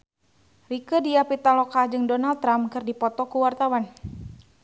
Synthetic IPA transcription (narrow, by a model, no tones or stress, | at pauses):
rikədiapit̪alɔkad͡ʒɨŋdɔnalt̪ːɾamkɨrdipɔt̪ɔkuwart̪awan